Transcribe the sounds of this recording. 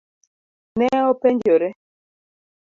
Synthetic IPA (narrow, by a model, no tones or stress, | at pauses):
nɛɔpɛɲd͡ʒɔɾɛ